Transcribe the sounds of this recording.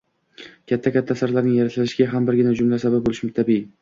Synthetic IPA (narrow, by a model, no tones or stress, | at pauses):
kʲʰat̪ʰːakʲʰat̪ʰːasaɾlaɾnɪŋjaɾat̪lɪʃɪɡʲaɦambɪɾɡʲɪnad͡ʒʊmlasabap̚bolɪʃmɪt̪ʰabi